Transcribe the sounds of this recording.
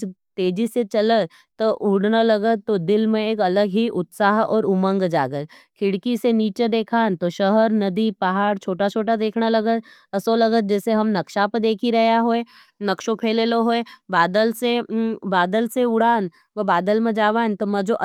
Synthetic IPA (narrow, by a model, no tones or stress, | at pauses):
t̪eːd͡ʒiset͡ʃɐlə | t̪oʔʊɽnalɐɡət̪t̪ːod̪ɪlmẽeːkɐləɡɦiʔʊt̪saːɦɔ̰ːɾʊmə̃ŋɡd͡ʒa̰ːɡəkʰɪɽkiseniːt͡ʃed̪eːkʰaːnt̪oʃəɦəɾnɐd̪ipɐɦaːɽt͡ʃʰoːʈat͡ʃʰoːʈad̪eːkʰnalɐɡət̪ | ɐsolɐɡət̪̚d͡ʒɛːseɦɐmnɐkʃapəd̪eːkʰiɾɐɦjaɦoe | nɐkʃõpʰeːleloɦoːebaːd̪əlsebaːd̪əlseʊɽ̤aːn | ʋɐbaːd̪əlmẽd͡ʒaːʋaːnt̪omɐ̃d͡ʒoʔ